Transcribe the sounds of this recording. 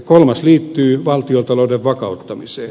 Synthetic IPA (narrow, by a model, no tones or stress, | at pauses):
kolmɑsliːt̪ːyːʋɑlt̪iolt̪ɑloudeʋʋɑkɑut̪ːɑmisḛː